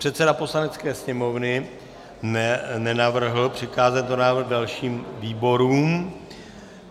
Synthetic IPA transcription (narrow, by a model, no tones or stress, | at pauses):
pr̥ɛt̪sɛdapo̞slanɛt͡skɛːsɲɛmovnɪ | nɛnɛnavr̩ɦl̩pr̥ɪxaːzɛt̪nonaːvr̩ɣdalʃiːmviːbo̞ɾuːm